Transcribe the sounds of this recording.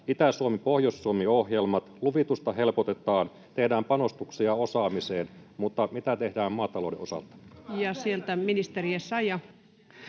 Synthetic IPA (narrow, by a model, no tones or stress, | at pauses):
it̪æsuomipo̞hjosːuomio̞hjelmɑt̪luʋit̪ust̪ɑɦe̞lpot̪e̞t̪ˑɑːn | t̪e̞hdæːmpɑno̞st̪uksiɑo̞sɑːmiseːnmut̪ːɑmit̪æt̪e̞hdæːmmɑːt̪ɑlo̞wdeosɑ̰lt̪ɑ̥jɑsielt̪æminist̪eriesːɑjɑ